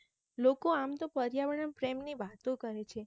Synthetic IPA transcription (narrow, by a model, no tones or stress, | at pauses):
lokoamt̪opəɾjaʋəɽənpɾemniʋat̪õkəɾet͡ʃʰe